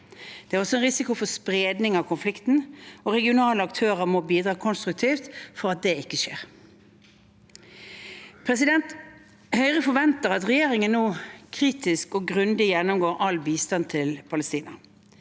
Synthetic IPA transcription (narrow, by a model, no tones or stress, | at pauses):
d̪̥ɛæːʁɔsɔɛnʁɪsɪkʊfɔspʁeːd̪nɪŋɑʋkʰʊnflɪkt̪n̩ɔʁɛɡɪʊnɑːləɑkt̪ʰøːʁəmɔbiːd̪ʁɑːkʰɔnst̪ɾʉk̚t̪ʰiːft̪fɔɾɑt̪̚d̪ɛɪkːəʃeːʁ | pʰɾɛsɪd̪ɛnt̪ | hœʏʁəfɔʋɛnt̪əʁɑt̪ʁɛjeːʁɪŋənːoːkʰʁiːt̪ɪskɔɡʁʉnd̪ɪjɛnːɔmɡoːɾʔɑlbiːst̪ɑnt̪ʰɪlpʰɑləst̪iːnɑ